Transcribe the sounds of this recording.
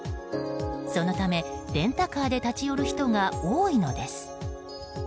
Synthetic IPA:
so̞no̞t̪ame̞d̪̥ẽ̞nt̪akaːd̪e̞t̪at͡ɕijo̞ɾɯ̟çi̥t̪o̞ŋaoːino̞d̪e̞sɨ̥

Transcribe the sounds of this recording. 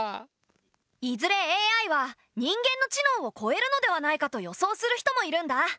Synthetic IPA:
izɨɾe̞eːaiβa | ɲ̟ĩŋɡẽ̞nːo̞t͡ɕino̞ːo̞kʰo̞e̞ɾɯ̟no̞d̪e̞βanaikat̪o̞jo̞so̞ːsɨɾɯ̟çʲi̥t̪o̞mo̞iɾɯ̟̃nd̪a

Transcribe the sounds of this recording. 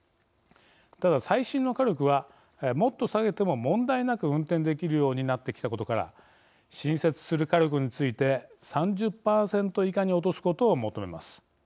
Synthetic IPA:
t̪ad̪asaiɕĩnːokaɾʲo̞kɯ̟β̞a | mo̞t̪ːo̞saɡe̞t̪e̞mo̞mõ̞nd̪ainakɯ̟ɯ̟̃nt̪ẽnd̪e̞kʲiɾɯ̟jo̞ːɲ̟inat̪ːe̞kʲi̥t̪ako̞t̪o̞kaɾa̰ | ɕĩɰ̃se̞t͡sɨ̥sɨɾɯ̟kaɾʲo̞kɯ̟ɲ̟it͡sɨit̪e̞sãɲd͡ʑɨpːaːsẽ̞nt̪o̞ikaɲ̟io̞t̪o̞sɨ̥ko̞t̪o̞ːmo̞t̪o̞me̞̰ma̰sɨ̥

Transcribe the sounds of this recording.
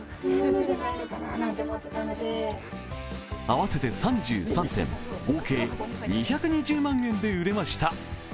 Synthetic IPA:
aβase̞t̪e̞sãɲ̟d͡ʑɨ̰ːsãnt̪ẽ̞̰mɡo̞ːke̞ːɲiçakɯ̟ɲ̟id͡ʑɨːmãŋẽ̞nd̪e̞ɯ̟ɾe̞maɕi̥t̪a

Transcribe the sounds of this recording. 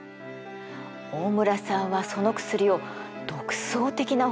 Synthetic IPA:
oːmɯ̟ɾasãɰ̃βaso̞no̞kɯ̥sɨɾijo̞ | d̪̥o̞kɯ̟̥so̞ːt̪e̞kʲina

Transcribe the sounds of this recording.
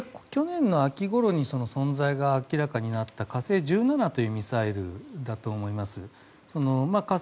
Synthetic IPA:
ko̥kʲo̞nẽ̞nːo̞akʲiɡo̞ɾo̞ɲ̟iso̞no̞sõ̞nzaiɡaːkʲiɾakaɲ̟inat̪ːakase̞ːʑɨːnanat̪o̞jɯ̟ːmʲisaiɾɯ̟̰d̪at̪o̞ːmo̞imasɨ | so̞no̞maka

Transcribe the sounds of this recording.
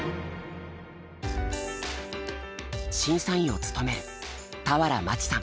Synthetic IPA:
ɕĩɰ̃sãɰ̃ĩo̞t͡sɨ̥t̪o̞me̞ɾɯ̟t̪aβaɾamat͡ɕi̥sã̰

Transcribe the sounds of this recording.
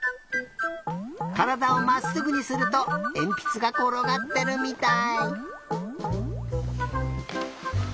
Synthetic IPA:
kaɾad̪ao̞masɨɡɯ̟ɲ̟isɨɾɯ̟t̪o̞ẽ̞mpʲi̥t͡sɨɡakoɾo̞ɡat̪ːe̞ɾɯ̟mʲit̪ai

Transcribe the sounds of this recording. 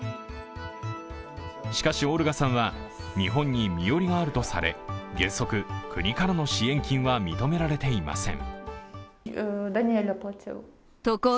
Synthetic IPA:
ɕi̥kaɕio̞ːɾɯ̟ɡasãɰ̃βaɲiɦõ̞ɲ̟ːimʲijo̞ɾʲiɡaːɾɯ̟t̪o̞saɾe̞̰ɡẽ̞ɰ̃so̞kɯ̟kʰɯ̟ɲ̟ikaɾano̞ɕiẽ̞ŋkʲĩɰ̃βamʲit̪o̞me̞ɾaɾe̞t̪e̞ima̰sẽ̞̰ŋ | d̪anʲielapot͡ɕɯ̰ | t̪oko

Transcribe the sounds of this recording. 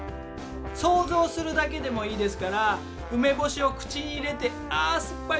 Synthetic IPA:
so̞ːzo̞ːsɨɾɯ̟d̪ak̬e̞d̪e̞mo̞iːd̪e̞sɨ̥kaɾa | ɯ̟me̞bo̞ɕio̞kɯ̟̥t͡ɕiːɾe̞t̪e̞ | aːsɨ̥pːa

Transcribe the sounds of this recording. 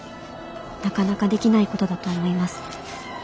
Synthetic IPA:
nakanakad̪e̞kʲinaiko̞t̪o̞d̪at̪oːmo̞imasɨ̥

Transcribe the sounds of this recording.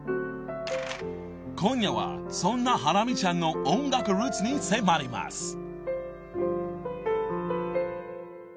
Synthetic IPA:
kʰõɲjaβa̰sõnːaɦaɾamʲit͡ɕãnːo̞ʔõŋɡakɯ̟ɾɯːt͡sɨɲisemaɾʲima̰s

